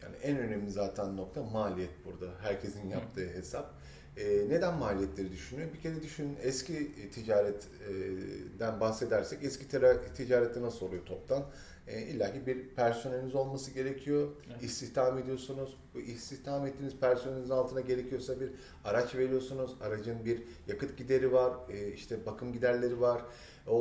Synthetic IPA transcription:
ja̰ːniʔænø̞nemlʲizaːt̪ʰænːo̞k̚t̪ʰamaːlʲijɛt̪̚buɾd̪aɦæɾcʰe̞sinjap̚t̪ʰɯːɦe̞sap̚ | ɛne̞d̪ænmaːlʲijɛt̪lʲe̞ɾid̪yʃynyjo̞bicʰe̞ɾɛd̪yʃynɛscʰit̪ʰid͡ʒaːɾɛt̪ | d̪ænbahse̞d̪æɾsɛcɛscʰit̪ʰid͡ʒaːɾɛt̪ːʲinasolˠujot̪ʰo̞p̚t̪ʰan | ɛilʲːaːɦibiɾpʰæɾso̞neinizo̞lˠmasɯɟe̞ɾecʰijo̞ist̪ʰiçt̪ʰamed̪ijo̞sunuzbuist̪içt̪ʰamɛt̪ʰːiːniz̥pʰæɾsoneiizinalˠt̪ʰɯnaɟe̞ɾe̞cʰijo̞sabiɾ | aɾat͡ʃve̞ɾijo̞sunuzaɾad͡ʒɯnbiɾ | jakɯt̪̚ɟid̪e̞ɾivaɾiʃt̪ʰɛbakʰɯmɟid̪æɾlʲe̞ɾivaɾ̥ | o

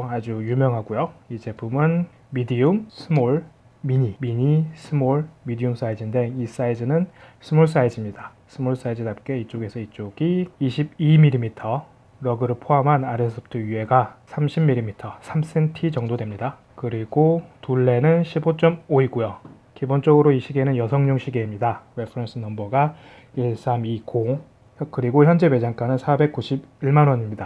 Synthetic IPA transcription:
ad͡ʑujumjʌŋɦaɡujoid͡ʑe̞pʰumɯn | midijuŋsʰɯmoɭ | miɲimiɲisʰɯmoɭmidiuŋs͈ʰaid͡ʑinde̞ŋis͈aid͡ʑɯnɯnsʰɯmoɭs̬͈aid͡ʑimɲida | sʰɯmuɭs͈aid͡ʑɯnap̚k͈e̞it͡ɕ͈oɡe̞sʰʌit͡ɕ͈oɡiːɕʰibimilɾimitʰʌ | ɾʌɡɯɾɯɭɭpʰoɦamɦanaɾesʰʌp̚tʰɯie̞ɡasʰamɕʰimːiɾːimitʰʌsʰams͈ʰe̞ntʰid͡ʑʌŋdodwe̞mɲida | kɯɾiɡotuɭːe̞nɯnɕʰibot͡ɕ͈ʌmoiɡojo | kibont͡ɕ͈ʌɡɯɾoiɕʰiɡenɯnjʌsʰʌŋɲoŋɕʰiɡe̞imɲidawepʰɯɾʌns͈ʰɯnʌmbʌɡa | iɭs͈amiko | kɯɾiɡoçjʌnd͡ʑe̞be̞d͡ʑaŋk͈anɯnsʰabe̞k̚k͈uɕʰibiɭmanwʌɲimɲida

